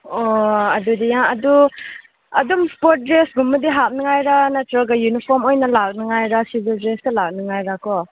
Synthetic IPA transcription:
ɔɐdudijaŋɐdu | ɐdumspot̚dɾesɡumːɐdiɦap̚nɯŋajɾanatɾɔɡajunipʰɔɾmojnɐlak̚nɯŋajɾasibildɾestɐlak̚nɯŋajɾakʰɔ

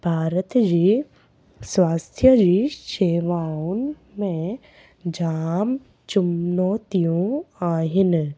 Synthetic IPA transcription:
b̥ʱaːɾət̪d͡ʑiː | swaːst̪ʰjəd͡ʑiːʃeːʋaːun | mẽ | d͡ʑaːm | t͡ʃʊmnoːt̪ijõaːɦɪn

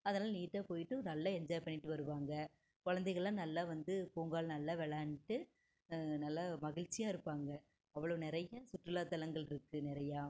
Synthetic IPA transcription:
ɐðɐnaːlɐniːʈːaːpoːjɪʈːɯ̃nɐlːɐɛɲd͡ʒaːjpɐɳːɪʈːɯʋɐɾɯʋaːŋɡɐ | kɔɻɐnd̪ɛɪɣɐɭːãːnɐlːaːʋɐnd̪ɯpuːŋɡaːɭnɐlːaːʋɛɭaːnɪʈːɯ | nɐlːɐmɐɣɪɻt͡ʃːɪjaːɪɾɯpːaːŋɡɐ | ɐʋːɐɭɐʋnɪɾɐjɐsʊʈɾɯlaːt̪ːɐlɐŋɡɐɭɪɾɯkːɯnɪɾɐjaː

